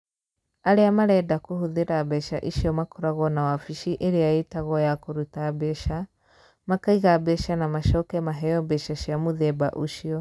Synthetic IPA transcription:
aɾeamaɾɛdakohuðeɾabɛʃaʔiʃiɔmakoɾaɣɔnawafiʃiʔeɾeaetaɣɔjakoɾutabɛʃa | makaiɣabɛʃanamaʃɔkɛmaɦɛjɔbɛʃaʃiamoðɛba̰ʔuʃiɔ

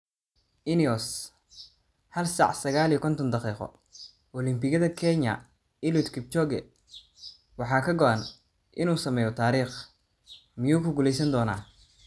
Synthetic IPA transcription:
ʔɪniɔs | hɐlsɑ̰ʕsɐɣaːliːkʰɔnt̪ʰɔnd̪ɑqiːqɔ̰ | ʔɔlɪmpɪɣɐðɐkʰɛɲɐ̰ | ɪlut̪kʰɪp̚t͡ʃɔɡɛ | wɑħɑːkʰɐɡɔʔɐn | ʔɪnuːsɐmɛːjɔt̪ʰaːɾiːχ | mɪjuːkʰʊɡuːlɛjsɐnd̪ɔːna̰ː

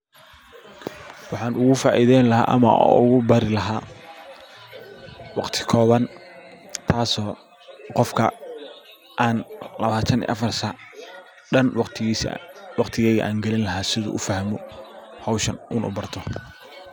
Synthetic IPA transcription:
wɑħɑːnʊɣʊfaːʔiðɛjnlɐɦa̰ːʔɐ̰mɐ̰ʊ̰ɣʊbɐɾɪlɐɦaː | wɑqt̪ʰɪ̥kʰɔːβɐn | t̪ʰaːsɔː | qɔfkʰɐ̰ | ʔaːnlɐβaːt̪ʰɐnḭːʔɐfɐrsɐ | ɖɐnwɑqt̪ʰːswɑqt̪ʰɪɣɛːɣɐ̰ʔa̰ːŋɡɛlɪnlɐɦaːsɪðʊ̰ʔʊfɐhmɔ | hɐwʃɐnʔʊnʊ̰bɐrt̪ʰɔ

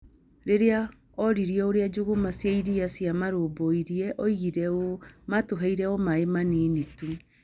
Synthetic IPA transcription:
ɾeɾea | ɔɾiɾiɔoɾead͡ʒoɣomasjaiɾiasjamaɾoboiɾiɛʔɔiɣiɾɛomatoɦeiɾɛɔmaemanenitu

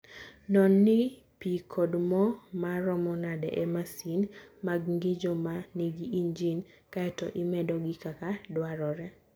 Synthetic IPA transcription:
nɔnːɪ | pikʰodmɔmaɾɔmɔnadɛ̰ʔɛmasinmaɡŋɡɪd͡ʒɔmaneɡiind͡ʒin | kaɛtɔ̰ʔɪmɛdɔɡɪkakadwaɾɔɾɛ

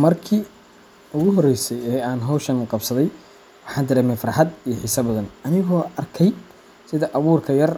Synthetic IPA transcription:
mɐrkʰiː | ʊɣʊɦɔrɛjsɛjɛːaːnɦɔwʃɐnqɑbsɐðɛj | wɑħɑːnd̪ɪɾɛmɛfɐɾɑħɑd̪ijɞħɪsɐbɐðɐnɐnɪɣɔːʔɐrkʰɛj | sɪðɐʔɐβuːrkʰɐjɐr

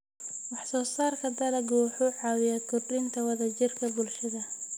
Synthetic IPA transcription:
wɑħsɔːsaːrkʰɐd̪ɐlɐɡwħuːʕɑːwɪjaːt̪̚kʰʊrɖɪnt̪ʰɐwɐðɐt͡ʃɪrkʰɐbʊlʃɐðɐ

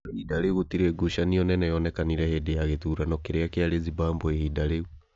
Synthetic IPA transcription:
idaɾeɣutiɾɛɡuʃaniɔnɛnɛjɔnɛkaniɾɛhedejaɣetuɾanɔkeɾeakeaɾezibaːmboehidaɾeɣu

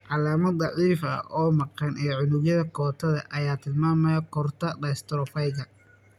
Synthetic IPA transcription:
ʕɑlaːmɐd̪ɑʕiːfɐ̰ʔɔːmɐqɑnʔɛːʕʊnʊɣjɐðɐkʰɔːt̪ʰɐðɐʔɐjaːt̪ʰɪlmaːmɐjɐkʰɔrt̪ʰɐɖɐst̪ɾɔfɐjɡɐ

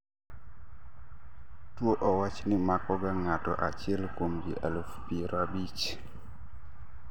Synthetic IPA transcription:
tuoʔɔwat͡ʃnimakɔɡaŋatɔ̰ʔa̰t͡ʃɛlkomd͡ʒḭʔa̰lufpiɾɔabit͡ʃ

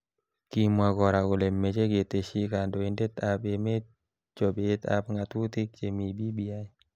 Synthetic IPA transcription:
kimwaɡɔɾakulemːet͡ʃeɡet̪eʃikandɔindɛt̪apemet̚ | t͡ʃɔbet̪a̰p̚ŋat̪ut̪ik̚t͡ʃemibibiai

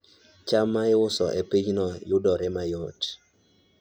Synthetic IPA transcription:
t͡ʃamaɪʊsɔ̰ʔepiɲnɔjʊdɔɾɛmajɔt

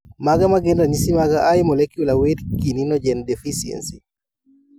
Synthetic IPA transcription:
maɡamaɡendaɲisimaɡaʔajmɔlekjulawedkininɔd͡ʒɛndefisiḛnsi

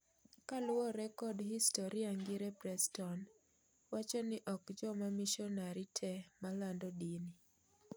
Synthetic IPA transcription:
kalʊɔɾɛkɔdhistɔɾiaŋɡiɾɛpɾɛstɔn | wat͡ʃɔnɪʔɔkd͡ʒɔmamiʃɔnaɾitʰɛmalandɔdini

